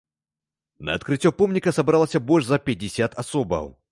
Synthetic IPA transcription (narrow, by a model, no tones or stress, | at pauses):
nɐ̰ɐt̪kɾɨtʲːɔpɔmnʲikɐsɐbɾalˠɐsʲɐbɔlʲʐzɐpʲɐdʲɪsʲat̪ɐsɔbɐ̰w